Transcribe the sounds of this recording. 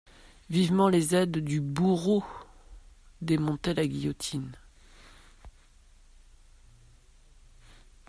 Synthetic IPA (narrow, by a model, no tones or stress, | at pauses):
vivmɑ̃lezɛd̪ːybuʁo | d̪emɔ̃t̪ɛlaɡʲijɔt̪ʰin